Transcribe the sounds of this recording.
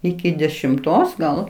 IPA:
ˈɪkʲɪ dʲɛʃʲɪmˈtoːs ɡɐlˠ

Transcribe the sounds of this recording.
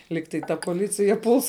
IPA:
ˈlʲiːk tɐɪ ˈtɐ poːˈlʲɪt͡sʲɪjɛ pʊlˠs

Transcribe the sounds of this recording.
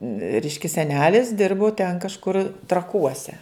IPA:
ˈrʲɛɪʃʲkʲɛ sʲɛˈnʲæːlʲɪs ˈdʲɪrbʊ tʲɛn kɐʃˈkʊr trɐˈkuɔsʲɛ

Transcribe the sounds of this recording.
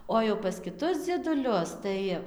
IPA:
ˌoː jɛʊ pɐs kʲɪˈtʊs d͡zʲiɛdʊˈlʲʊs ˈtɐɪ

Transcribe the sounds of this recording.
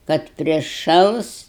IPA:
kɐt pʲrʲɪˈʃɐlˠs

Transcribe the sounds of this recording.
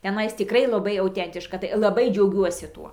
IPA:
tʲɛˈnɐɪs tʲɪˈkrɐɪ lˠɐˈbɐɪ ɐʊˈtʲɛnʲtʲɪʃkɐ tɐɪ lˠɐˈbɐɪ d͡ʒʲɛʊˈɡʲuɔsʲɪ ˈtuɔ

